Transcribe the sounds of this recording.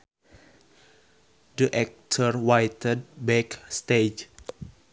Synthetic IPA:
dəʔɛk̚tʰərwajt̪əd̚bɛkst̪ed͡ʒ

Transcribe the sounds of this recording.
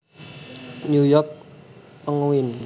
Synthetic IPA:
nujɔk̚pəŋwin

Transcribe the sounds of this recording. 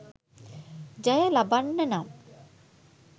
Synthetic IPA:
d͡ʒajəlabanːənam

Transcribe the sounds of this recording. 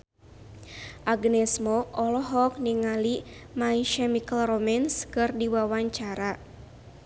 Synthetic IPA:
ʔaɡnɛsmoʔɔlɔɦɔk̚niŋalimaiʃɛmikəlromɛnskɨrdiwawaɲt͡ʃaɾa

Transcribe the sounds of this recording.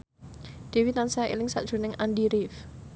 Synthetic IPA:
d̪̥e̤winansaaḛlɪŋsa̰d̥ʒ̥ṳnɪŋʔandiɾɪf

